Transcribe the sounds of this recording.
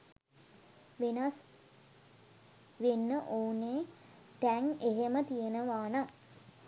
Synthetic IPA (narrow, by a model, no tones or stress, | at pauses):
ʋenas | ʋenːəʔoːnːeː | t̪æŋeɦemət̪ijenəʋaːna